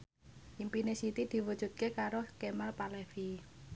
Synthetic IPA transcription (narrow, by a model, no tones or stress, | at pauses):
ʔimpinesit̪id̪̥i̤wəd̥ʒ̥ṳt̪̚kekaɾokemalpalɛfi